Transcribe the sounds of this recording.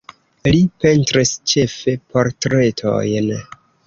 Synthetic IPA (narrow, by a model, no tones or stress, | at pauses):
lipe̞ntɾist͡ʃe̞fe̞pʰo̞ɾtɾe̞tʰo̞̰jn